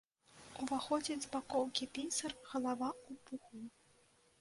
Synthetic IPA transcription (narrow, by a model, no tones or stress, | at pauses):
uvaxɔd͡zʲid͡zʲbakɔwkʲipʲinʲsɐrɣɐlˠavaupuxu